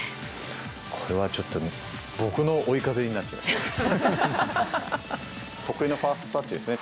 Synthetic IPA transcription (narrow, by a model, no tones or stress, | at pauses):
kʰo̞ɾe̞βat͡ɕo̞t̪ːo̞ | bo̞kɯ̟no̞oikazeɲ̟inat̪ːema̰ | t̪o̞kɯ̟ino̞ɸaːst̪osat͡ɕːid̪e̞sɨne